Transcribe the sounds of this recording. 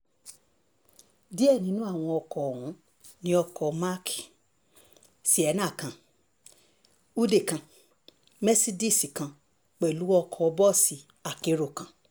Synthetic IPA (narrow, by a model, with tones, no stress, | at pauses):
di˦ɛ˦˨nĩ˨˦nũ˦a˦˨w̃ɔ̃˧ɔ˧kɔ˨ũ˨˦ | nĩ˦ɔ˧kɔ˨ma˦ki˨ | si˨˦ɛ˨˦nã˦˨kã˨ | u˦de˦˨kã˧ | mɛ˦si˦di˦˨si˨kã˧ | k͡pɛ˨lu˨˦wɔ˦ɔ˧kʰɔ˧bɔ˦˨si˨ | a˨ke˧ɾo˨kã˨